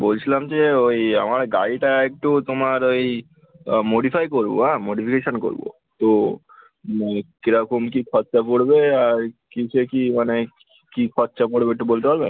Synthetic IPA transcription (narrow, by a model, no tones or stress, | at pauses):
bolt͡ɕʰilamd͡ʒeoja̰maɾɡa̰jʈaek̚ʈut̪omaɾoj | moɽipʰajkoɾbo̰amoɽipʰikeʃonko̰ɾbo̰ | t̪o | anekiɾakumkikʰɔtːʃapoɽbeaɾkit͡ɕʰekimane | kikʰɔtːʃapoɽbeek̚ʈːubolt̪epaɾben